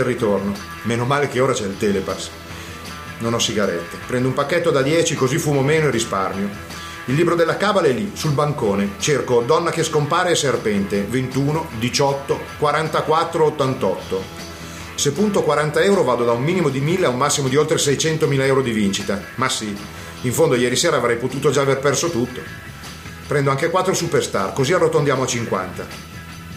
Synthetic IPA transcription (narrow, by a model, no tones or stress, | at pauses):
erːit̪orno | menomaːlekeoːɾat͡ʃɛilt̪ɛːlepas | nonɔsːiɡaɾɛt̪ːepɾɛnd̪oumpakːet̪ːod̪ad̪jɛːt͡ʃikozifuːmomeːnoirːisparmjo | ilːiːbɾod̪elːakabalaɛlːisulbaŋkoːnet͡ʃerkod̪ɔnːakeskompaːɾeɛserpɛnt̪event̪uːnod̪it͡ʃɔt̪ːokwaɾant̪akwat̪ːɾoot̪ːant̪ɔt̪ːo | sepːunt̪okwaɾant̪aɛwɾovaːd̪od̪aumːiːnimod̪imilːeaumːasːimod̪iolt̪ɾesɛjt͡ʃɛnt̪omiːlaɛwɾod̪ivint͡ʃit̪amasːi | iɱfond̪ojɛːɾiseːɾaːvɾɛjpot̪uːt̪od͡ʒaːverpɛrsot̪ut̪ːo | pɾɛnd̪oaŋkekwat̪ːɾosuperst̪a̰rkoziarːot̪ond̪jaːmoat͡ʃiŋkwa̰nt̪a